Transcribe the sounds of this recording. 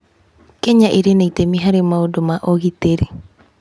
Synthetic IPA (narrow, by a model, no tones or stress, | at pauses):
keɲaʔiɾeneitemiɦaɾemaodomaʔoɣit̪eɾi